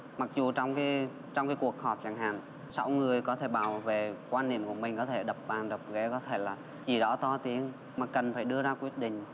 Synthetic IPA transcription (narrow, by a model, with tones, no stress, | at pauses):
ma˨˩k̚zu˨˩t͡ɕɔ˧wŋ͡mkaː˨˦ | t͡ɕɔ˧wŋ͡mkaː˨˦jku˨˩ək̚hɔ˨˩p̚t͡ɕaː˧˩ŋɦa̰ː˨ŋ | sa˨˦wŋɨ˨˩əjkɔ˨˦t̪ʰe˧˩ɓaː˧˩wve˨˩kwaː˧nːḭ˧˨əmku˧˩əmï˨˩ŋ̟kɔ˨˦t̪ʰe˧˩ɗə˨˩p̚ɓaː˨˩nɗə˨˩p̚ɣḛ˧˥kɔ˨˦t̪ʰe˧˩laː˨˩ | t͡ɕi˧˩ɗɔ̰ː˧˥t̪ɔ˧t̪i˨˦ən | maː˨˩kə˨˩nfaː˧˩jɗɨ˧əzaː˧kwi˦˥ət̚ɗḭ̈˧˨ŋ̟